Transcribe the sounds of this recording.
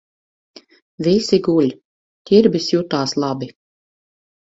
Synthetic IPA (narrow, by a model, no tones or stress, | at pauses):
visiɡulʲ | t̪ʲiɾbisjut̪aːslˠabi